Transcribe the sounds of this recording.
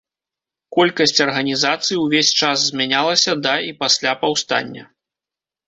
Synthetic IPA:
kɔlʲkɐsʲt͡sʲɐrɣɐnʲizat̪sɨjiwvʲesʲt͡ʂaszʲmʲanʲalˠɐsʲɐd̪ɐipasʲlʲapawst̪a̰nʲːɐ̰

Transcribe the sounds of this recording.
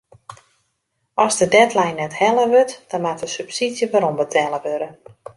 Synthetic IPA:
ʔɔsdədɛtlɛjnːɛthɛlˠəʋøtd̥ɔnmatəsypsidjəʋaɾɔmbətʰɛlˠəʋøɾə

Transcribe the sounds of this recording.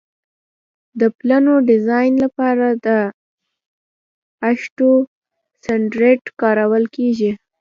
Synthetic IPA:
d̪əplanoɖɪzɑjnlapɑɾad̪ə | aʃʈo | saɳɖɾeʈkɑɾawəlkeʒi

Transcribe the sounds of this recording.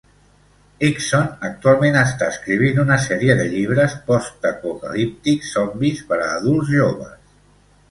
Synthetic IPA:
iksonək̚t̪ualˠmenəst̪aəskɾiβ̞inunəsɛɾiəðəʎiβ̞ɾəspɔst̪əpokə̰lip̚t̪iksɔmbispəɾəːðulˠzʒoβ̞əs

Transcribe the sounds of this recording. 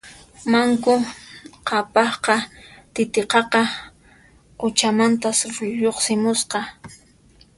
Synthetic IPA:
maŋkʊqʰɑpɑχqɑt̪ɪt̪eqɑqɑ | ʊt͡ʃamant̪asʊʎoχsɪmʊsqɑ

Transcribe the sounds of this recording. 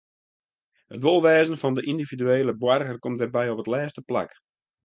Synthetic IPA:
hətʋolˠʋɛːzənfɑndəʔindividyeːləbwarɣərkɔm̚dərbɛjopətlɛːstəpla̰k

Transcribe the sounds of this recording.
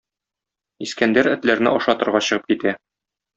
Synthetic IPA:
iskænd̪æɾɘ̆t̪læɾnɘ̰ʔɒʃɑt̪ɤ̆ɾʁɑɕɤ̆ʁɤp̚kit̪æ

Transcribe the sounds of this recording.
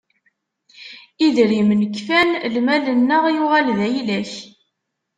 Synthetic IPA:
iðɾimnəkːfænlmælənːəʁjʊʁalðæjlæç

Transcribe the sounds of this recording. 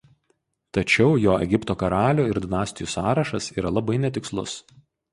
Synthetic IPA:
t̪ɐt͡ʃʲɛʊjoːɛ̰ɡʲɪpt̪oːkɐɾɑːlʲuːɪɾd̪ʲɪnɑːsʲt̪ʲɪjuːsɑːɾɐʃɐsiːɾɐlˠɐbɐɪnʲɛt̪ʲɪkslˠʊ̰s

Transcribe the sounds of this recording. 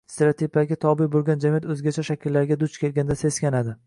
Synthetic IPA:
st̪ʰeɾat̪ʰipʰaɡʲat̪ʰɒbɪjbolˠɡʲand͡ʒamijat̪ɵzɡʲat͡ʃʰaʃakʲɪlːaɾɡʲad̪ʊt͡ʃkʲʰe̞lɡʲand̪ase̞skʲanad̪ɪ

